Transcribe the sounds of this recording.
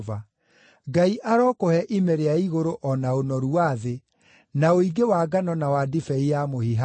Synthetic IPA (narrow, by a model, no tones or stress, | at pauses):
va | ɡaiʔaɾɔːkohɛʔimɛɾeaiɣoɾoʔɔnaonɔɾuwaðe | naoiɡewaːɡanɔnawadifɛijamohiɦa